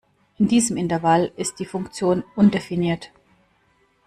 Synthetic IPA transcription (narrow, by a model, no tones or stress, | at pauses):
ʔɪndiːzəmɪntɐvalɪst̚d̥iːfʊŋkt͡sjoːnʔʊndefiniːɐt